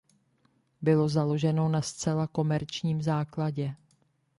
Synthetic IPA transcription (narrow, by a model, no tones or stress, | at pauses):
bɪlo̞zalo̞ʒɛno̞nast͡sɛlako̞mɛɾt͡ʃɲiːmzaːklaɟɛ